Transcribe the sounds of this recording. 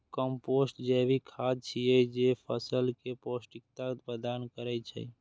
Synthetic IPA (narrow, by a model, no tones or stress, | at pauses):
kəmposʈd͡ʒɛbʱikʰad̪̚t͡ʃʰijɛd͡ʒepʰəsəlkeposʈikt̪apəd̪ankəɾɛt͡ʃʰɛ̰